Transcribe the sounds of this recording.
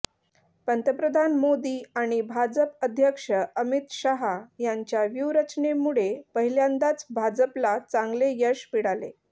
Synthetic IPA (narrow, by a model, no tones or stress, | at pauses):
pənt̪ɾəpɾəd̪ʱanmod̪iːaɽ̃ibʱad͡zəpəd̪ʱjəkʂəəmit̪ɕaɦajaɲt͡ɕjaʋjuwɾət͡ɕnemuɭepəɦiljãnd̪at͡sbʱad͡zəplat͡sãŋɡlejəʂpiɽalḛ